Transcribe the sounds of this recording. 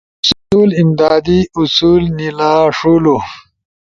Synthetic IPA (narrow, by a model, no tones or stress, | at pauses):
ssuːlimd̪aːd̪iʔusuːlnilaːʂulu